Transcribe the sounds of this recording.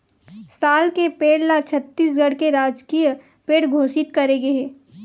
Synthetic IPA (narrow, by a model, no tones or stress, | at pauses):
saːlkepeːɽlat͡ʃʰɐt̪ːiːsɡɐɽkeɾaːd͡ʒkijə | peːɽɡʱoːsɪt̪kɐɾeɡɐeː